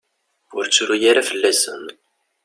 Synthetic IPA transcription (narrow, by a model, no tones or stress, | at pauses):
ʊɾt͡sːɾujaɾafəlːæsə̰n